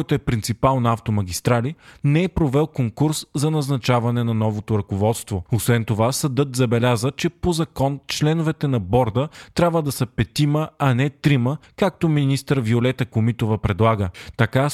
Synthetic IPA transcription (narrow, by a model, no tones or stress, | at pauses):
jt̪oɛpɾint̪sipalˠnaft̪omɐɡ̟ʲist̪ɾalinɛɛpɾovɛlˠkoŋkuɾszɐnɐznɐt͡ʃavɐnɛnɐnɔvot̪oɾɐkovɔt̪st̪voosvɛnt̪ovasɐd̪ɤt̪zɐbɛlʲazət͡ʃɛpozɐkɔnt͡ʃlɛnovɛt̪ɛnɐbɔɾd̪ət̪ɾʲabvəd̪ɐsəpɛt̪iməɐnɛt̪ɾiməkak̚t̪ominist̪əɾviolɛt̪əkomit̪ovəpɾɛd̪lˠaɡət̪ɐka